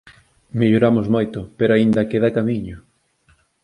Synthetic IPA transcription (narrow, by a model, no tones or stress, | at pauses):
meʎoɾamʊzmojt̪ʊpeɾoaind̪ɐkeðakamiɲʊ